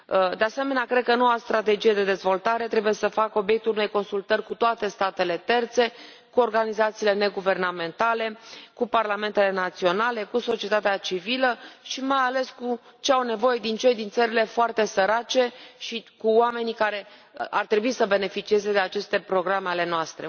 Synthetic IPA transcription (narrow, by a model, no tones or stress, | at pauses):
d̪e̞ase̞me̞neakɾe̞d̪̚kəno̞wast̪ɾat̪e̞d͡ʒije̞d̪e̞d̪e̞zvo̞lt̪aɾe̞t̪ɾe̞buje̞səfakəo̞bjek̚t̪ulune̞jko̞nsult̪ərʲkut̪oat̪e̞st̪at̪e̞le̞t̪e̞rt̪se̞ | kuo̞rɡanizat̪siːlene̞ɡuve̞rname̞nt̪ale̞kuparlame̞nt̪e̞le̞nat̪sio̞nale̞kuso̞t͡ʃie̞t̪at̪eat͡ʃiviləʃimajale̞skut͡ʃe̞awne̞vo̞je̞d̪int͡ʃe̞jd̪int̪səɾile̞foart̪e̞səɾat͡ʃe̞ʃikuoame̞nikaɾe̞ | art̪ɾebuisəbe̞ne̞fit͡ʃie̞ze̞d̪e̞at͡ʃe̞st̪e̞pɾo̞ɡɾameale̞noast̪ɾe̞̰